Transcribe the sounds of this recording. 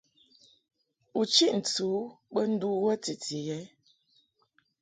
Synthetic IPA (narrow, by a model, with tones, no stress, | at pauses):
u˨t͡ʃi˦ʔn̩˨tu˨˦ɓə˦n̩˦du˦wə˦ti˨ti˨jɛ˨˦